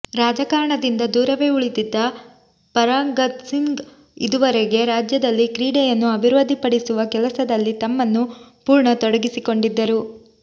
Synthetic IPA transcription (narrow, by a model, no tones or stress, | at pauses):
ɾaːd͡ʒɐkaːɾɐɳɐd̪ind̪ɐd̪uːɾɐʋe̞uɭit̪id̪ːɐ | pɐɾaːŋɡɐt̪siŋɡ | id̪uʋɐɾeɡe̞ɾaːd͡ʒjɐd̪ɐlːikɾiːɽɛjɐnːuɐbʱiɾʋod̪ʱipɐɽisuʋɐkɛlɐsɐd̪ɐlːit̪ɐmːɐnːupuːɾɳɐt̪ɔɽɐɡisiko̞ɳɖid̪ːɐɾu